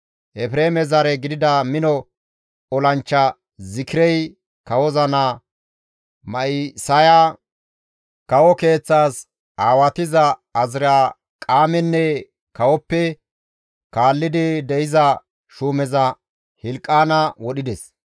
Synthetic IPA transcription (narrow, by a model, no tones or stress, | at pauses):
ʔɛfɾeːmɛzɐɾɛɡɪd̪ɪd̪ɐmɪnɔ | ɔlɐnt͡ʃːɐ | zɪkɪɾɛj | kɐwɔzɐnɐ | mɐʔɪsɐja | kɐwɔke̞ːt͡sːaːs | aːwɐt̪ɪzɐɐzɪɾaː | kʼaːmɛnːɛ | kɐwɔpːɛ | kaːlːɪd̪ɪd̪ɛʔɪzɐ | ʃuːmɛzɐ | hɪlkʼːaːnɐwɔɗɪd̪ɛs